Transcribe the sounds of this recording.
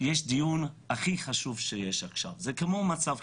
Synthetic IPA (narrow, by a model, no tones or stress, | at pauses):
jeʃdijunaχiχaʃuvʃejeʃaχʃa̰vzekemomat͡sav